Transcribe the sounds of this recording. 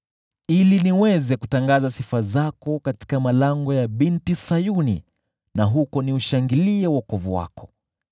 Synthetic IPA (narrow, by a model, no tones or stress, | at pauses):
iliniwɛzɛkutaŋɡazasifazakɔkati̥kamalaŋɡɔjaɓintisajunḭ | naɦukɔniuʃaŋɡiliɛwakɔvuwa̰kɔ̥